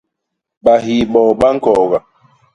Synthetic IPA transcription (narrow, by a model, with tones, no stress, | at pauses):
ɓa˨ɦi˨ɓɔː˨ɓa˦ŋ̩˦kɔ˨ɣa˨